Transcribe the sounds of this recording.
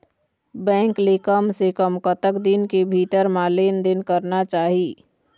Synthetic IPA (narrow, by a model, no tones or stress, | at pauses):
bɛ̃ːŋklekəmsekəmkət̪əkd̪inkebʱit̪əɾmaleːnd̪ɪnkəɾnat͡ʃaːɦiː